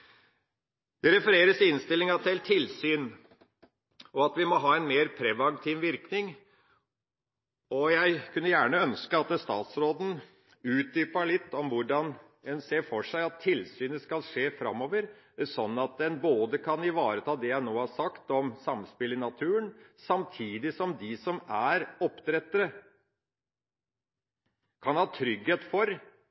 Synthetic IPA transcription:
d̪̥ɛɾɛfəɾeːɾəsɪɪnst̪ɪlːɪŋɑt̪̚d̪ɛlt̪ʰɪlsyːn | ɔɑt̪ʋɪmɔɦɑːɛnmeːɾpʰɾɛʋɑŋkt̪ʰiʋʋɪɾknɪŋ | ɔjæɪkʰʉnːəjæːɳəœnskəɑt̪̚st̪ɑ̰ːt̪sɾoːd̪n̩ | ʉːt̪̚d̪yːpəɭɪt̪ːɔmʋʊɖɑn | ɛnseːɾfɔʂæɪɑt̪ʰːɪlsyːnəskɑlʂeːfɾɑ̰mːoːʋəɾ | sɔnːɑt̪̚ɛnboːd̪əkʰɑnɪʋɑːɾət̪ʰɑːd̪ɛjæɪnoːhɑʂɑkt̪ɔmsɑmspɪlɪnɑt̪ʰʉːənsɑmt̪ʰiːd̪ɪsɔmd̪ɪsɔmæɾɔpːt̪ɾɛt̪ːəɾə | kʰɑnhɑːt̪ʰɾʏɡheːt̪fɔɾ

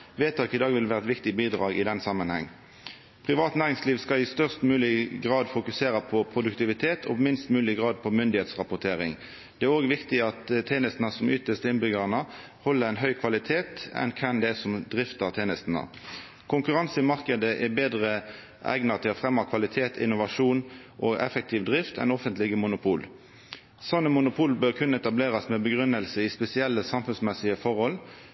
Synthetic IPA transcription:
ʋeːt̪ʰɑːkɪd̪ɑːɡʋɪlʋæːʁəɛt̪ʋɪkt̪ɪbiːd̪ʁɑːɡɪd̪ɛnsɑmənhɛ̰ŋː | pʰʁɪʋɑːt̪næːʁɪŋsliːʋskɑlɪst̪œʁst̪mʉːlɪɡʁɑːd̪fʊkʉseːʁəpʰɔpʰʁʊd̪ʉkt̪ɪʋɪt̪ʰeːt̪ʰɔ̰bmɪnst̪mʉːlɪɡʁɑːd̪̚pʰɔmʏnd̪ɪheːt̪sʁɑpʊt̪ʰeːʁɪ̰ŋ | d̪̥ɛæʁoːɡʋɪkt̪ɪɑt̪t̪ʰːeːnəst̪nəsɔmʏt̪əst̪əɪnbʏɡəʁənə | hɔlːəʁæɪnɦœʏkʰʋɑlɪt̪ʰeːt̪ɛ̰nkʰɛnd̪ɛæsɔmd̪ʁɪft̪ɑt̪ʰeːnəst̪nə̰ | kʰʊŋkʉʁɑnsɪmɑʁkəd̪əʔɛbeːd̪ʁə | æ̰ɪɡnɑt̪ʰɪɔfʁɛmːɑkʰʋɑlɪt̪ʰeːt̪ʰɪ̰nʊʋɑʂuːn | ʔɔʔɛ̰fək̚t̪ʰiːʋd̪ʁɪft̪ʰɛ̰nɔfənt̪lɪɡəmʊnʊpʰuːl | sɔnːəmʊnʊpʰuːlbøːʁkʰʉnːəɛt̪ɑbleːʁɑsmɛbəɡʁʉnːəlsəɪspɛsɪɛlːəsɑmfʉnsmɛsɪəfɔʁhɔl

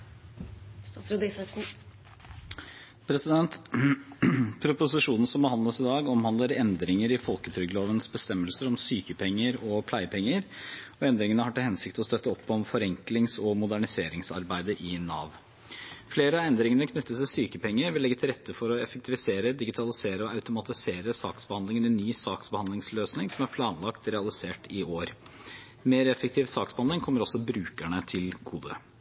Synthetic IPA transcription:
ɾd̪ɪsɑsn̩ | pʰɾɛsɪd̪ɛnt̪ | pʰɾʊpʊsɪʂuːnn̩sɔmbəhɑnd̪ləsɪd̪ɑːɡɔmhɑnd̪ləɾɛnd̪ɾɪŋəɾɪfɔlkət̪ʰɾʏɡəloːʋənsbəst̪ɛmːəlsəɾɔmsyːkəpʰɛŋːəɾɔpʰlæɪpʰɛŋːəɾɔɛnd̪ɾɪŋənəhɑʈɪhɛnsɪkt̪ɔst̪œt̪ːəɔpːɔmfɔɾɛŋklɪŋsɔmʊd̪æɳɪseːɾɪŋsɑ̰ɾbæɪd̪əʔɪnɑ̰ːʋ | fleːɾəɑɛnd̪ɾɪŋənəkʰnʏt̪ːət̪syːkəpʰɛŋːəɾʋɪlːɛɡːət̪ʰɪlɾɛt̪ʰːəfɔɾɔɛfək̚t̪ʰɪʋɪseːɾəd̪ɪɡɪt̪ʰɑlɪseːɾəɔɑʉt̪ʊmɑt̪ɪseːɾəsɑːksbəhɑnd̪ɪŋənɛnːyːsɑːksbəhɑnd̪lɪŋsløːsnɪŋsɔmæɾpʰlɑːnlɑkt̪ɾɛɑlɪseːʈɪoːɾ | meːɾɛfək̚t̪ʰiːʋsɑːksb̥əhɑnɪŋkʰɔmːəɾɔsːɔbɾʉːkəɳət̪ʰɪlɡuːd̪ə̰

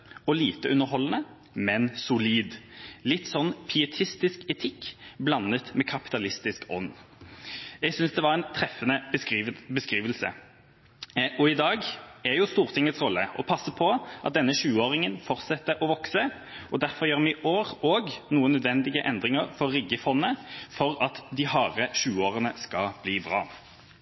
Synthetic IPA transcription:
ɔliːt̪əʔʉnːəɾɦɔlnə | mɛnsʊliːd̪lɪt̪ːsɔnːpʰʏɛt̪ʰɪst̪ɪskɛt̪ʰɪkːblɑnːət̪mɛkʰɑpɪ̥t̪ɑlɪst̪ɪskɔ̰nː | jæɪɡsʏnsd̪ɛʋɑʁɛnt̪ʰɾɛfːənə | bəskɾiːʋəlsə̰ | ɔɪd̪ɑːɡɛjʊst̪uːʁt̪ʰɪŋət̪sʁɔlːəʔɔpʰɑsːəpʰɔʔɑt̪̚d̪ɛnːəʃʉːəoːʁɪŋənfɔʁt̪sɛt̪ːəʔɔʋɔksə | ɔd̪æʁfɔʁjøːʁmɪʔoːʁoːɡnuːənœd̪ʋɛnd̪ɪɡəʔɛnd̪ʁɪŋəʁfɔʁːʏɡəfɔnːəfɔʁɑt̪d̪ɪhɑːʁəʃʉːəoːʁənəskɑb̥liːbʁɑ̰ː

